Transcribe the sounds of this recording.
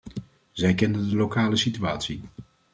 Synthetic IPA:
z̥ɛjkɛndəndəlowkaːləsityaːtsi

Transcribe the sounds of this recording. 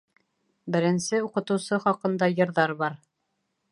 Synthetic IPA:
bɘ̆ɾɘ̆nsɘuqɤ̆t̪ɤ̆wsɤχɑqɤ̆nd̪ɑjɤ̆ɾðɑɾbɑɾ

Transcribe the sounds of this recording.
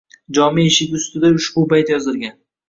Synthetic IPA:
d͡ʒɒmieʃɪkʲʊst̪ɪd̪aʊʃbʊpajt̪jɒzɪɾɡʲan

